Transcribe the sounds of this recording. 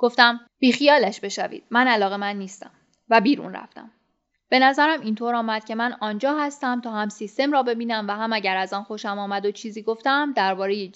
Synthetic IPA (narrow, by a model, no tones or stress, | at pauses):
ɡ̥o̞ft̪æm | b̥iːxijɒːlæʃbe̞ʃævḭːd̪̥̚mænælɒːɣe̞mænːiːst̪æm | væbiːɾṵːnræ̰ft̪æ̰m | b̥e̞næzæɾæmint̪ʰoːɾɒːmæd̪̥cʲʰe̞mænɒːnd͡ʒɒːɦæst̪æmt̪ʰɒːhæmsist̪e̞mɾɒːbe̞biːnæmvæhæmæɟæɾæzɒːnxo̞ʃæmɒːmæd̪ot͡ʃʰiːziːɡo̞ft̪æmd̪æɾbɒːɾe̞je